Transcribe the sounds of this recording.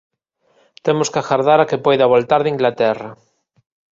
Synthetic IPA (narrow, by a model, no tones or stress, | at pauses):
t̪emoskaxaɾðaɾakepojðaβolt̪aɾðiŋɡlat̪ɛra